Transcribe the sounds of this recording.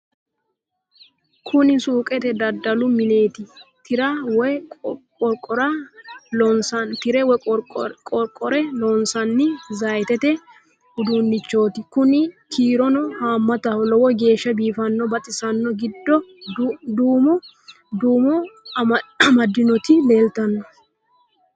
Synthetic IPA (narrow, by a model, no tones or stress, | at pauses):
kʰʊnɪsuːkʼɛt̪ɛd̪ɐd̪ːɐlʊmɪne̞ːt̪ɪt̪ʰɪɾɐwɔjkʼɔɾkʼɔɾɐ | ɔnsɐnt̪ɪɾɛwɔkʼɔɾkʼːɔɾɛlɔnsɐnːɪzɐjt̪ɛt̪ɛ | hʊd̪unːɪt͡ʃːo̞ːt̪ɪkʊnɪkʰiːɾɔnɔhaːmːɐt̪ɐhɔlɔwɔɡe̞ːʃːɐbiːfɐnːɔbɐt̪ʼɪsɐnːɔɡɪd̪ːɔ | d̪uːmɔ | d̪uːmɔ | ɐmɐd̪ːɪnɔt̪ɪle̞ːlt̪ɐnːɔ